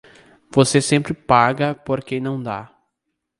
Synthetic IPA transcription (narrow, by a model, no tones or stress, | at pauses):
vosesẽmpɾɪpaɡɐpoɾkẽnɐ̃w̃d̪a̰